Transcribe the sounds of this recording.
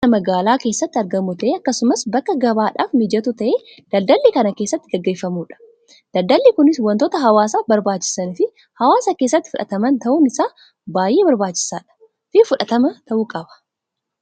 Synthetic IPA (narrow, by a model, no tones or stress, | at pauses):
ɐmɐɡaːlaːke̞ːsːɐt̪ːɪɐɾɡɐmuːt̪ɐʔeːɐkːɐsʊmɐsbɐkːɐɡɐbaːᶑaːfmɪd͡ʒɐt̪ut̪ɐʔeː | d̪̥ɐld̪ɐlːiːkɐnɐke̞ːsːɐt̪ːɪɡɐɡːe̞ːfːɐmuːᶑɐ̥ | d̪̥ɐld̪ɐlːiːkʊnɪswɐnt̪oːt̪ɐɦɐwaːsaːbɐɾbaːt͡ʃːɪ̥sɐnfɪ | hɐwaːsaːkeːs̬ːɐt̪ːɪ̥fʊᶑɐt̪ɐmɐnt̪ɐʔuːnɪsaː | baːjʔe̞ːbɐɾbaːt͡ʃːɪ̥saːᶑɐ̥ | fɪfʊᶑɐt̪ɐmɐt̪ɐʔuːkʼɐbɐ̥